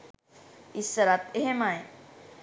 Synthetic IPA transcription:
isəɾat̪eɦemaj

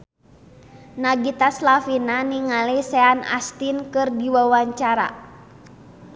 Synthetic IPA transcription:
naɡit̪aslafinaniŋalisɛana̰st̪inkɨrdiwawaɲt͡ʃaɾa̰

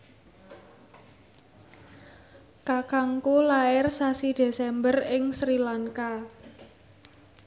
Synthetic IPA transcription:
kakaŋkolaɪrsasid̥e̤sɛmbərɪŋsɾilaŋka

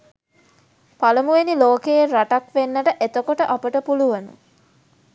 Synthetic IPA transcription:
palumuʋeniloːkeeraʈakʋenːəʈəʔet̪okoʈəʔapəʈəpuluʋənṵ

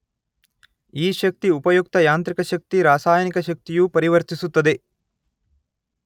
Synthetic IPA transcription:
iːʃɐk̚t̪iupɐjuk̚t̪ɐjaːnt̪ɾikɐʃɐk̚t̪iɾaːsaːjɐnikɐʃɐk̚t̪ijupɐɾiʋɐɾt̪isut̪ːɐd̪e

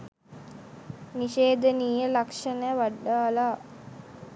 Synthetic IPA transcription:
niʃeːd̪əniːjəlakʂənəjʋaɖːaːlaː

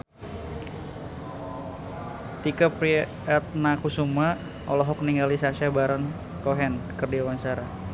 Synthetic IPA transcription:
t̪ikəpɾi | at̪̚nakusuma | ɔlɔɦɔkniŋɡalisasiabaɾɔn | kɔɦɛnkərdiawant͡ʃaɾa

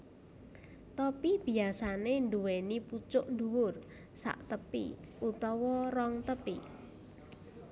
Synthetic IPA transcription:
t̪ɔpib̥iasanenduweniput͡ʃʊʔnd̪uwʊr | sa̰ʔt̪əpḭut̪ɔwɔrɔŋt̪əpḭ

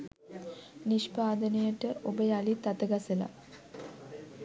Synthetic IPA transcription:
niʃpaːd̪ənejəʈəʔobəjalit̪at̪əɡasəla̰

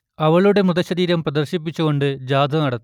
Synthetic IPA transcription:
ɐʋɐɭuɽe̞mrɨðɐɕɐðiːɾɐmprɐd̪ɐrɕip̬ːit͡ɕːuɣo̞ɳɖɨd͡ʑaːd̪ʱɐnɐɽɐt̪ː

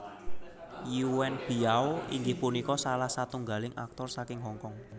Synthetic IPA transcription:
juwɛnb̥i̤aoiŋɡihpunikɔsalahsat̪uŋɡalɪŋʔa̰k̚t̪ɔrsakɪŋɦɔŋkɔŋ

